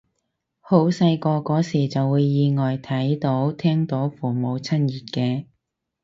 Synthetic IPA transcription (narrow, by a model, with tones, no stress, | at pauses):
ho˨˥wsɐ˧jkɔː˧kɔː˨˥siː˨˩t͡sɐ˨wːuː˨˧jːiː˨˧ŋɔː˨˩jt̪ʰɐ˨˥jt̪o˨˥wt̪ʰɛː˥ŋt̪o˨˥wfuː˨˩mo˨˧wt͡sʰɐ˥njiː˨˩t̚kɛː˧